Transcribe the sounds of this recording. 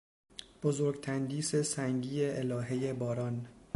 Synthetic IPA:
b̥ozoːɾɡt̪ʰænd̪iːse̞sæŋɟiːeʔelɒːɦe̞je̞bɒːɾɒːn

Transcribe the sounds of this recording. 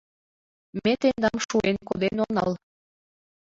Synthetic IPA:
met̪end̪ɑmʃuenkod̪enonɑ̰l

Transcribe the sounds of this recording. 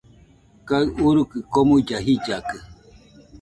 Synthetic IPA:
kaɯʔuɾukɨkomuid͡ʒaɦid͡ʒakɨ

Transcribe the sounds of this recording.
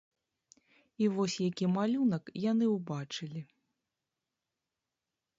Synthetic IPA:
ivɔsʲjakʲimalʲunɐkjanɨwbat͡ʂɨlʲi

